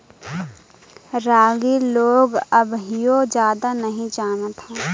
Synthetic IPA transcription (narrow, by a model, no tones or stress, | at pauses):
ɾaːɡiloːɡəbɦijod͡ʒjaːd̪anɐɦĩd͡ʒaːnət̪ɦɛː